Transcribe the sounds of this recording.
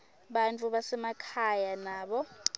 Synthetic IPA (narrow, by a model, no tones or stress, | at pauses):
ɓant͡fʼuɓasɛmakʰajanaːɓɔ